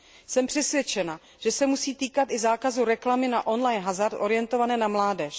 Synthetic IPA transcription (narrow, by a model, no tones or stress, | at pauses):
sɛmpr̝̥ɛsvjɛt͡ʃɛna | ʒ̥ɛsɛmusiːt̪iːkat̪ʔɪzaːkazuɾɛklamɪnaʔo̞nlajnɦazaɾt̪ʔo̞ɾɪjɛnt̪o̞vanɛːnamlaːdɛʃ